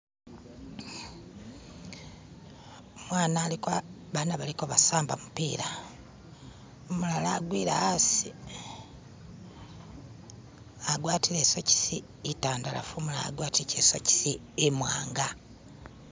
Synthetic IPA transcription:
omwaːnaːlikoaβanaβalikoβasaːmbamupiːɾa | omulalaːɡwiːɾa̰asi | aɡwaːtileːsoci̥siː | taːndala̰fumulaa̰ɡwaːtiicesoci̥si | emwaːŋɡa

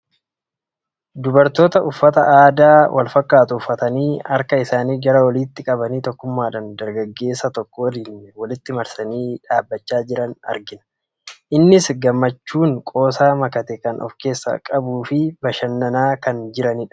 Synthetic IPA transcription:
d̪ʊbɐɾt̪o̞ːt̪ɐʊfːɐt̪ɐʔaːd̪aːwʔɐ̰lfɐkːaːt̪ʊʊfːɐt̪ɐniːɐɾkɐɪsaːniːɡɐɾɐwɐliːt̪ːɪkʼɐbɐniːt̪ɔkːʊmːaːᶑɐnd̪ɐɾɡɐɡːe̞ːsːɐt̪ɔkːɔwɐliːnwɐlɪt̪ːɪmɐɾsɐniːᶑaːbːɐt͡ʃːaːd͡ʒɪɾɐnɐ̰ɾɡɪnɐ | ʔɪnːɪsɡɐmːɐt͡ʃːuːŋkʼo̞ːsaːmɐkɐt̪ɛkɐnʔɔ̰fke̞ːsːɐ̰kʼɐbuːfɪbɐʃɐnːɐnaːkɐnd͡ʒɪɾɐnɪᶑ

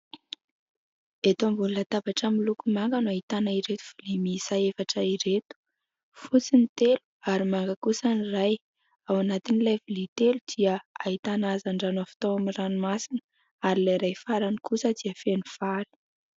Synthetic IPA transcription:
et̪oambununat̪abaʈ͡ʂamilukumaŋɡənuaɦit̪anaiɾet̪u̥filimisaefaʈ͡ʂaiɾet̪u̥ | fut͡sinit̪elu̥aɾimaŋɡakusaniraj | awanat̪inilavilit̪elud̪̥iəaɦit̪anazaɳɖ͡ʐanoafi̥t̪oaminranumasinə̥ | aɾilajɾajfaɾanikusəd̪iəfenufali̥

